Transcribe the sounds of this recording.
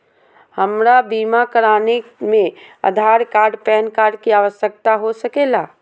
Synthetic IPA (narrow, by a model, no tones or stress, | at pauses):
hɐmɾabiːmakɐɾaːnemẽɐ̰d̪ʱaːɾkaːɾɖpɛːnkaːɾɖkiaːʋəsjək̚t̪aɦosɐkeːlaː